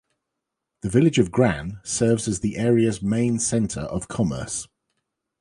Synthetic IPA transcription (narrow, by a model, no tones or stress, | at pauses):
ðəvɪlɪd͡ʒəvɡɹãnsɜːvzəzðiʔɛːɹiəzmẽɪ̃nsɛ̃ntʰə̰ɹə̰v̥kʰɒmə̰ˑs